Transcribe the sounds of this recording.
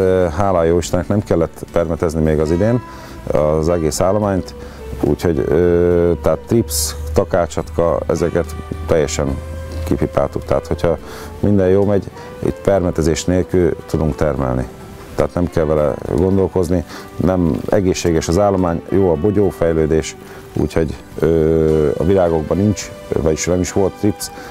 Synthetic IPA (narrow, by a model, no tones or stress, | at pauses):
ɦaːlaːjːoːiʃt̪ɛnɛknɛmkɛlːɛt̪ːpɛrmɛt̪ɛznimeːɡɒzid̪eːn | ɒzɛɡeːsaːlːo̞maːɲt̪ | ṵːcho̞ɟøt̪ɛat̪ːripst̪ɒkaːt͡ʃɒt̪kɒɛ̰zɛkɛt̪t̪ɛjːɛʃɛŋkipipa̰ːt̪ukt̪ɛ̰at̪ho̞cʰhɒ | mind̪ɛjjoːmɛɟ | ḭt̪pɛrmɛt̪ɛzeːʃt̪neːlkylt̪ud̪uŋkt̪ɛrmɛ̰lnḭ | t̪ɛɦaːt̪nɛmkɛlvɛlɛ̰ɡo̞nd̪o̞lko̞zni | nɛmɛ̰ɡeːʃːeːɡɛʃɒzaːlːomaːɲjoːɒboɟoːfɛjløːd̪eːʃ | ṵːcho̞ɟ | øːɒ̰vilaːɡo̞ɡbɒnint͡ʃ | vɒɟiʃnɛmiʃʋo̞lt̪ːrips